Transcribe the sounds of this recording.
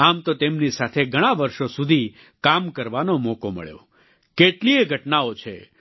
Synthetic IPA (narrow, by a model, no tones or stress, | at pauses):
amt̪ot̪emnisat̪ʰeɡʱəɽ̃aʋəɾʃosud̪ʱi | kamkəɾʋanomokomə̰ɭjo̰ | keʈlieɡʱəʈnaot͡ʃʰḛ